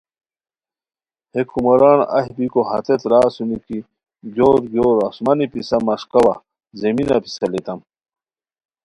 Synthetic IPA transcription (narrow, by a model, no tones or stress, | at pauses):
hekʰumɐɾaːnɐ̰hbikoɦɐ̰t̪et̪ɾaːsuniki | ɡoːɾɡoːɾɐsmanipisɐmɐʂkɐwa | zeminɐpi̥sɐlet̪ɐm